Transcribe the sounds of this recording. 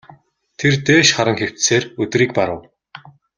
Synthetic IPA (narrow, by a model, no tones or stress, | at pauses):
t̪ʰert̪eːʃχaɾə̆ŋxew̥t̪seːrɵt̪̆riːk̚paɾə̆w